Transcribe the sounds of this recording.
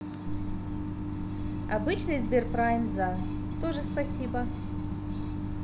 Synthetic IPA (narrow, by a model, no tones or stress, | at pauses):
ɐbɨt͡ɕnɨjzbʲerpɾajmza | t̪oʐɨspɐsʲibə